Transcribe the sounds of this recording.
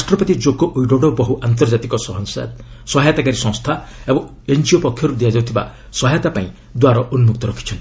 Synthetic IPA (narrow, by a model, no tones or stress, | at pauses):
asʈɾɔpɔt̪id͡ʒoɡɔʔujɖoɽɔbɔɦuʔant̪̬ɔɾd͡ʒat̪ikɔsɔɦɔŋsa̰d̪sɔɦajt̪akaɾisɔ̃ŋst̪ʰaebɔ̃ŋ | end͡ʒiɔpɔkʰjɔɾud̪iad͡ʒawt̪ʰiba̰ | sɔɦajat̪apaĩ | d̪waɾɔʔunmuk̚t̪ɔɾɔkʰi̥t͡ʃʰɔnt̪i̥